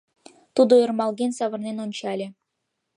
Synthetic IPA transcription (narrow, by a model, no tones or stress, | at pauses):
t̪ud̪oərmɑlˠɣʲenʲsɑβɤ̆rnenonʲt͡ɕɑlʲĕ